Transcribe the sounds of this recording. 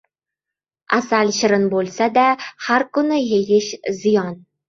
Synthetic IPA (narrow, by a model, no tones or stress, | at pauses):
asalʃɪɾɪnbolˠsad̪ahaɾkʊnɪjeɡʲɪʃzɪjɒn